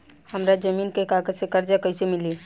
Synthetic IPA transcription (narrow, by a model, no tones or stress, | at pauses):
həmɾad͡ʒəmiːnkekaɡəd͡ʒsekəɾd͡ʒakəɪsemili